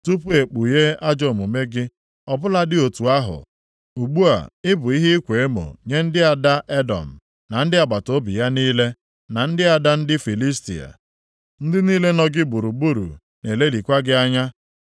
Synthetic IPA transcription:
tu˦pu˦e˨k͡pu˨je˦a˦d͡ʒɔ˨mu˨me˦ɡɪ˦ | ɔ˨bʊ˦la˦dɪ˦o˨tu˨a˦ɦʊ̰˨ | u˨ɡ͡bu˦a̰˨ɪ˦bʊ˨i˦ɦɪ˦ɪ˦kʷe˨e˦mo̰˨ɲe˦n̩˦dɪ˦a˨da˦ʔe˦dɔ̰˨m̩˨ | na˨n̩˦dɪ˦a˨ɡ͡ba˨to˦bḭ˨ja˦niː˦le˦ | na˨n̩˦dɪ˦a˨da˦n̩˦dɪ˦fi˨li˦stḭ˨a̰˨ | n̩˦dɪ˦niː˦le˦nɔ˦ɡɪ˦bu˨ɾu˨bu˦ɾṵ˨ | ne˨le˦li˨kʷa˦ɡɪ˦a˦ɲa˦

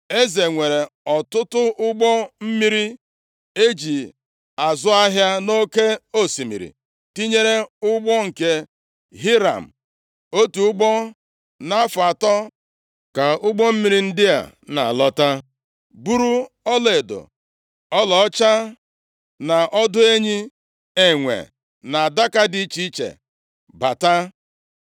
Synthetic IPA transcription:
e˦ze˨ŋʷe˨ɾe˨ɔ˨tʊ˦tʊ˦ʊ˦ɡ͡bɔ˦m̩˦mi˦ɾi˦ | e˦d͡ʒi˨ | a˨zʊ˦a˦ɦja˦no˦ke˦o˦si˨mi˨ɾḭ˨ | ti˦ɲe˦ɾe˦ʊ˦ɡ͡bɔ˦ŋ̩˨ke˦ | ɦi˦ɾa̰˨m̩˨ | o˦tu˨ʊ˦ɡ͡bɔ˦ | na˦fʊ˨a˨tɔ˦ | ka˨ʊ˦ɡ͡bɔ˦m̩˦mi˨ɾi˨n̩˦dɪ˦a̰˨ | na̰˨a˨lɔ˦ta˦ | bu˦ɾu˦ | ɔ˦le˨do̰˨ | ɔ˦lɔ˨ɔ˦t͡ʃa˦ | na˨ɔ˦dʊ˦e˦ɲi˦ | e˨ŋʷḛ˨ | na˨a˨da˦ka˦di˦i˦t͡ʃi˦i˦t͡ʃḛ˨ | ba˨ta˦

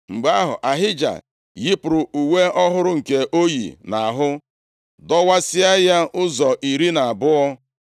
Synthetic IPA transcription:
ŋ͡m̩˨ɡ͡ba˦ɦʊ̰˨ʔa˨ɦɪ˦d͡ʒa̰˨ | jɪ˦pʊ˨ɾʊ˨u˨we˦ɔ˦ɦʊ˦ɾʊ˦ŋ̩˨ke˨ʔo˦jḭ˨na˨a˨ɦʊ˦ | dɔ˦wa˦sɪ˦a˦ja˦ʊ˦zɔ˨ʔi˨ɾi˦na˨a˨bʊ˦ɔ˦

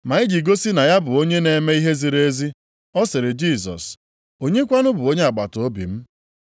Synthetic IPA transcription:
ma˨i˦d͡ʒi˨ɡo˦si˦na˨ja˦bʊ˨o˦ɲe˦ne˨me˦i˦ɦe˦zi˨ɾe˦e˦zi˦ | ɔ˦se˨ɾe˨d͡ʒi˦˨sɔ̰˨s | o˦ɲe˦kʷa˦nʊ˦bʊ˨o˦ɲe˦a˨ɡ͡ba˨to˦bḭ˨m̩˦

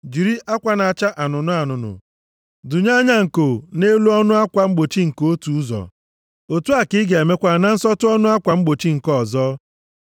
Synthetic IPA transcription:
d͡ʒi˨ɾi˦ʔa˦kʷa˨na˨a˨t͡ʃa˦ʔa˨nʊ˨nʊ˦a˨nʊ˨nʊ̰˨ | dʊ˨ɲa˦ɲa˦ŋ̩˨ko˨ne˦lu˦ɔ˦nʊ˦a˦kʷa˨ŋ͡m̩˦ɡ͡bo˨t͡ʃi˦ŋ̩˨ko˦o˦tu˨˦zɔ̰˨ | o˨tu˦a˨ki˦ɡe˨e˨me˦kʷa˨na˨˦n̩˦sɔ˦tʊ˦ɔ˦nʊ˦a˦kʷa˨ŋ͡m̩˦ɡ͡bo˨t͡ʃi˦ŋ̩˨kɔ˦˨zɔ˦

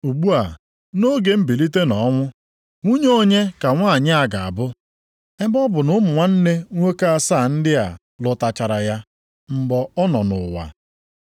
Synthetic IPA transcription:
u˨ɡ͡bu˦a˨ | no˦ɡe˨m̩˦bi˨li˦te˦nɔ˨˦ŋʷʊ˦ | ŋʷu˦ɲ˦o˦ɲe˦ka˨ŋʷaː˦˨ɲɪ˦a˨ɡa˨a̰˨bʊ˦ | e˦bɔ˦bʊ˨nʊ˦mʊ˨ŋʷa˦n̩˦ne˦ŋʷe˦ka˦a˨saː˦˨n̩˦dɪ˦a̰˨ | lʊ˦ta˨t͡ʃa˨ɾa˨ja˦ | ŋ͡m̩˦ɡ͡bɔ˦ɔ˦nɔ˨nʊ˨wa̰˨

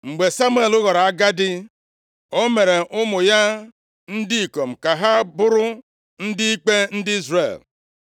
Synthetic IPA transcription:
ŋ͡m̩˨ɡ͡be˨sa˦mu˦e˨lʊ˦ɣɔ˨ɾa˨a˦ɡa˦dɪ˦ | o˦me˨ɾe˨ʔʊ˦mʊ˨ja˦ | n̩˦dɪ˦i˨ko˨m̩˨ka˨ɦa˦bʊ˦ɾʊ˦ | n̩˦dɪ˦i˦k͡pe˦n̩˦dɪ˦i˦zrḛ˨l

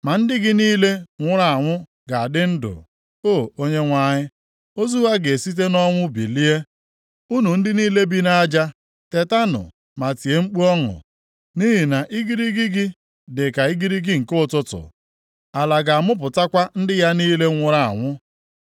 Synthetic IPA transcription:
ma˨n̩˦dɪ˦ɡɪ˦niː˦le˦ŋʷʊ˦ɾa˨a˨ŋʷʊ˦ | ɡa˨a˨dɪ˦n̩˦dʊ̰˨ | o˦˨o˦ɲe˦ŋʷa˨ɲɪ˦ | o˦zu˦wa˦ɡe˨si˦t̬e˦nɔ˦ŋʷʊ˦bḭ˨li˦e˦ | u˦nu˨n̩˦dɪ˦niː˦le˦bi˦na˦d͡ʒa˦ | te˨ta˦nʊ̰˨ | ma˨ti˨e˨˦ŋ͡m̩˦k͡pu˦ɔ˦ŋʊ̰˨ | ni˦ɦi˨na˨ʔi˦ɡi˦ɾi˦ɡi˦ɡɪ˦ | dɪ˨ka˨i˦ɡi˦ɾi˦ɡi˦ŋ̩˨kʊ˦ʊ˦˨tʊ˦tʊ̰˨ | a˨la˨ɡa˨a˨mʊ˦p̬ʊ˨ta˦kʷa˦n̩˦dɪ˦ja˦niː˦le˦ŋʷʊ˦ɾa˨a̰˨ŋʷʊ˦

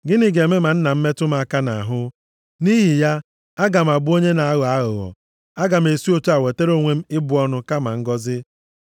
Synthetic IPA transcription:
ɡɪ˦ni˦ɡe˨me˦ma˨n̩˦na˨m̩˦me˦tʊ˦m˦a˨ka˦na̰˨a˨ɦʊ˦ | ni˦ɦi˨ja˦ | a˦ɡa˨m̩˨a˨bʊ˦o˦ɲe˦na˨a˦ɣa˦ɣʊ˨ɣɔ̰˨ | a˦ɡa˨m˦e˨si˦o˨tu˦a˨we˨te˦ɾo˦ŋʷe˦m̩˦ɪ˦bʊ˨˦ɔ˦nʊ˦ka˦ma̰˨ŋ̩˦ɡɔ˦zɪ˦

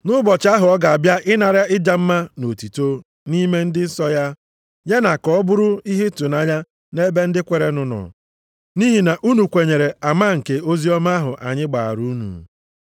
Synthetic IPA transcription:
nʊ˦bɔ˨t͡ʃa˦ɦʊ˨ɔ˦ɡa˨a˨bja˦ʔɪ˦na˨ɾa˦ɪ˦d͡ʒa˨m̩˦ma˦no˨ti˨to˦ | ni˦me˦n̩˦dɪ˦n̩˦sɔ˦ja˦ | ɲe˦na˨kɔ˦bʊ˦ɾʊ˦i˦ɦe˦tʊ˨na˦ɲa˦ | ne˦be˦n̩˦dɪ˦kʷe˨ɾe˦nʊ˨nɔ̰˨ | ni˦ɦi˨na˨ʔu˦nu˨kʷe˨ɲe˨ɾe˨a˨ma˦˨ŋ̩˨ke˨o˦zi˦ɔ˦ma˦a˦ɦʊ˨ʔa˨ɲɪ˦ɡ͡ba˨a˨ɾu˨˦nṵ˨

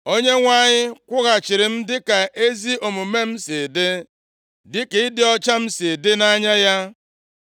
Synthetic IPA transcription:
o˦ɲe˦ŋʷa˦˨ɲɪ˦kʷʊ˦ɣa˨t͡ʃɪ˨ɾɪ˨m̩˦dɪ˦ka˨ʔe˦zi˦o˨mu˨me˦m̩˦sɪ˨dɪ˦ | dɪ˦kɪ˨ɪ˦dɪ˦ɔ˦t͡ʃa˦m̩˦sɪ˨dɪ˦na˦ɲa˦ja˦

